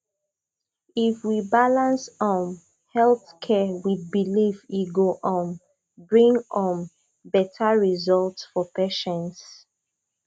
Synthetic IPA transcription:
ifwibalãnsɔ̃m | hɛlθkʰɛwid̚biliviɡoʔɔ̃n | bɹĩŋɔ̃m | bɛtʰaɹizɔltsfɔpɛʃɛ̃nts

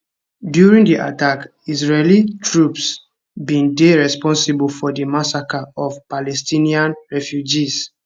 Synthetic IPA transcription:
djuɹĩŋdiʔa̰tak | isɹelitʰɹups | bĩndeɹɛspɔ̃nsibulfɔdəmasakaɔfpalɛstĩniãnɹɛfjud͡ʒis

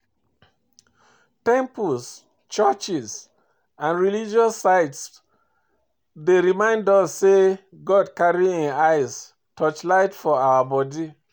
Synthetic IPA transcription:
tɛ̃mpuls | t͡ʃət͡ʃis | ãnɹilid͡ʒɔsːaɪts | deɹimãɪ̃ndɔsːe | ɡɔdkaɹiĩnaɪs | tʰɔt͡ʃlaɪtfɔawabɔdi

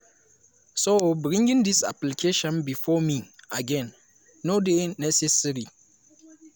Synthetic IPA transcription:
sobɹĩŋɡĩŋdisa̰plikʰeʃɔ̃nbifɔmiaɡɛ̃nː | odenɛsɛsaɾi

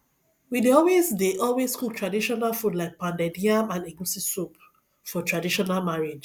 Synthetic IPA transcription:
wideɔlwezdeʔɔlweskuk̚tʰɹadiʃɔnalfudlaɪk̚pãndɛdiãmãneɡusisop̚ | fɔtʰɹadiʃɔnalmaɹed͡ʒ

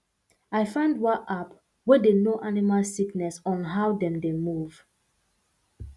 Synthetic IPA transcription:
ajfãndwaʔap | wɛdenoʔanimalsiknɛsɔ̃nɦawdɛ̃mdemuv̥

